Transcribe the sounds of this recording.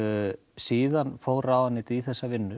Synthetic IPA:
siːðanfoːwɾaːwðanːɪt̪iθɛsːavɪnːʏ

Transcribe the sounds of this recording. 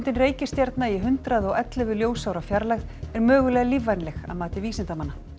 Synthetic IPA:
nt̪ɪnreːjcɪst̪jaɾt̪naiɦʏnt̪ɾaðɔɣɛt̪lʏvɪljoːwsawɾafjaɾlaɣðɛɾmœːɣʏlɛːɣalivːajnlɛxa̰ðmaːt̪ɪviːsɪnt̪amanːa

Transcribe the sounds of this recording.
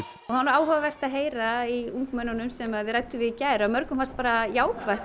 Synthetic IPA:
ɔhanːɾaːwɦœːvavɛr̥t̪aðɦeːjɾaiuŋkmœnːanʏmsɛmaðɪɾajt̪ːʏvɪðicaːjɾaðmœɾkʏmfalst̪paːɾajaːwkʰva

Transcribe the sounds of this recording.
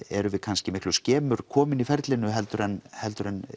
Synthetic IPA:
ɛɾʏvɪðkʰanscɪmɪhklʏscɛːmʏɾ̥kʰɔːmɪnifɛɾt̪lɪnʏɦɛlt̪ʏɾɛnhɛlt̪ʏɾɛn

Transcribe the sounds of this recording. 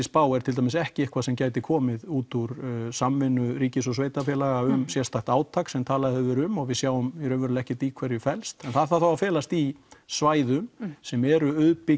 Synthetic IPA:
ɪspaːwɛɾt̪ʰɪlamɪsɛhcɪehkʰvasɛmcaːjt̪̬ɪkʰɔːmɪðuːt̪uɾsamːɪnʏɾiːcɪsɔsveːjt̪afjɛlaɣaʏmsjɛrst̪ʰaxt̪aːwt̪ʰaksɛmt̪ʰaːlaðɪhɛvɪɾʏmɔɣvɪðsjaːwʏmiɾœvʏɾʏlɛhcɪt̪ikʰvɛɾjɪfɛlst̪ɛnθaðθawθawafɛːlast̪isvaːjðʏmsɛmɛɾʏœðpɪ

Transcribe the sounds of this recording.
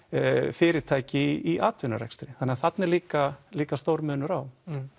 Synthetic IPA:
fɪːɾɪt̪ʰaːjcɪiʔaːt̪vɪnːa̰ɾɛ̰kst̪ɾɪθanːɪaθat̪nɛɾliːkaliːkast̪oːwɾmʏːnʏɾaw

